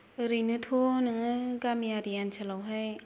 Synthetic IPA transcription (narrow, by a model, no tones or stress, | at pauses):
ɯɾɯjnɯtʰonɯŋɯɡamijaɾiansʰalawɦaj